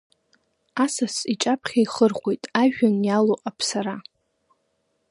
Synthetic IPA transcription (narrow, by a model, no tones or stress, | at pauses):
asasiʈ͡ʂʼapʰχʲaiχərχʷe̞jtʼaʒᶣanjaloʔʼapʰsaɾa